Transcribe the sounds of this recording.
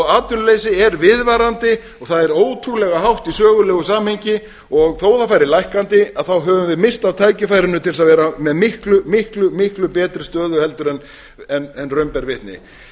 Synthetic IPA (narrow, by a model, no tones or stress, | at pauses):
aːt̪ʏllejsɪɛɾvɪðvaːɾant̪ɪ | ɔɣθaðɛɾoːwt̪ʰɾulɛɣaɦawht̪isœːɣʏlɛːɣʏsaːmhejɲcɪ | ɔɣθoːwθawfajɾɪlajhkant̪ɪaðθawɦœːvʏmvɪðmɪst̪awt̪ʰaːjcɪfaːjɾɪnʏt̪ʰɪls̬aðvɛːɾamɛðmɪhklʏmɪhklʏmɪhklʏpɛːt̪ɾɪst̪œːðʏhɛl̪t̪ʏɾɛn | ɛnɛnrœɥmpɛɾvɪht̪nɪ̰